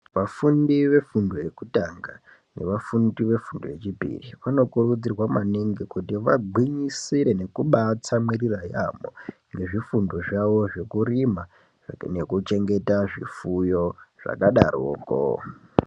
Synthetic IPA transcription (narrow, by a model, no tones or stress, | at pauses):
ʋafundiʋe̞fundoje̞kutaŋɡa | ne̞̰ʋafundiʋe̞fundo̰je̞t͡ʃipḭriʋano̞kurud͡zirwamaniŋɡikutiʋaɡʱwiɲisiɾe̞ne̞kuɓat͡samwiriraja̰mo̰ŋɡe̞ʐifundoʐaʋo̞ʐe̞kurima | ne̞kut͡ʃe̞ŋɡe̞taʐifujo̞ʐ̥a̰kaɗa̰ro̰ːko̰